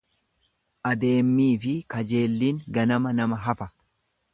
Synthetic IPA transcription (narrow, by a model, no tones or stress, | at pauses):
ʔɐd̪e̞ːmːiːfɪkɐd͡ʒe̞ːlːiːŋɡɐnɐmɐnɐmɐɦɐfɐ